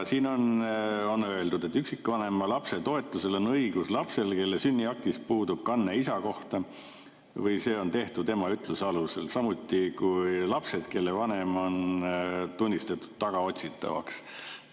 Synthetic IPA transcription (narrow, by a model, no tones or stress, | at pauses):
siːno̞no̞nːøe̞ld̪ud̪̥e̞t̪ːˑyksikːˑvɑne̞mɑlɑpse̞t̪o̞e̞t̪ːˑuse̞lo̞nɤjɡ̥uslɑpse̞lke̞lːesynʲːiɑk̚t̪ispuːd̪ub̥̚kɑnːeisɑko̞ht̪ɑ | vɤjse̞ːo̞nt̪e̞ht̪ut̪e̞mɑyt̪ˑluseɑluse̞lsɑmut̪ːˑikujlɑpse̞d̪̥ke̞lːe̞vɑne̞mo̞n | t̪unʲːist̪et̪ːˑu̥d̪̥t̪ːɑɡ̥ɑo̞t̪ʲsit̪ːˑɑ̰vɑ̰ks